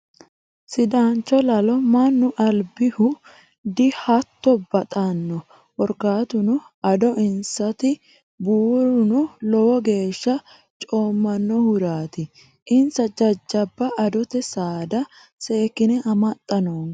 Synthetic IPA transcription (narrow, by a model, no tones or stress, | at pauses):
sɪd̪ant͡ʃːɔlɐlɔmɐnːʊʔɐlbɪhʊ | d̪ɪhɐt̪ːɔbɐt̪ʼɐnːɔ | wɔɾkaːt̪ʊnʊ | ɐd̪ɔʔɪnsɐt̪ɪ | buːɾʊnʊlɔwɔɡe̞ːʃːɐ | t͡ʃʼoːmːɐnːɔhʊɾaːt̪ɪ | ʔɪnsɐd͡ʒɐd͡ʒːɐbːɐʔɐd̪ɔt̪ɛsaːd̪ɐ | se̞ːkːɪnɛʔɐmɐt̪ʼːɐnoːn